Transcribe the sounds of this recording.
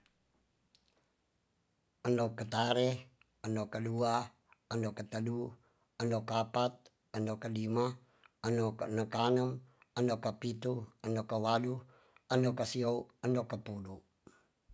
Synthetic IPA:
əndokət̪aɾɛ | əndokədua | əndokət̪ədu | əndokapat̪̚ | əndokəlima | ənoknəkanəm | əndokapit̪uəndokəwadu | əndokasiouəndokapudu

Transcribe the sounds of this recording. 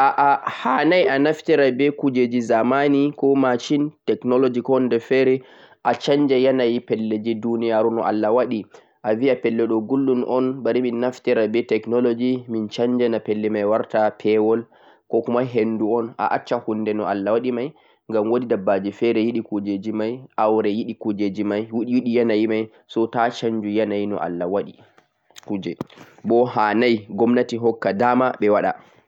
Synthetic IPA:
ʔaʔahanajanaftɛɾabɛkud͡ʒed͡ʒizamanikɔmat͡ʃintɛknɔlod͡ʒikɔndɛfɛɾɛ | ʔat͡ʃaɲd͡ʒɛjanajipɛlːed͡ʒidunijaɾunɔʔa̰lːawaɗi | ʔaviapɛlːɛɗɔɡulːunʔɔnbaɾiminːaftɛɾabɛtɛknɔlod͡ʒimint͡ʃaɲd͡ʒɛnapɛlːɛmajwaɾtapʰɛwɔl | kɔkumaɦenduɔna̰ʔat͡ʃːahundɛnɔʔalːawaɗimaj | ŋɡamwodidabːad͡ʒifɛɾɛjiɗikud͡ʒed͡ʒimajʔawɾɛjiɗikud͡ʒed͡ʒimajwuɗiwiɗijanajimaj | sɔtat͡ʃaɲd͡ʒujanajinɔ̰ʔa̰lːawaɗi | kud͡ʒɛ | bɔɦaːnajɡɔmnatiɦɔkːadamaɓɛwaɗa̰

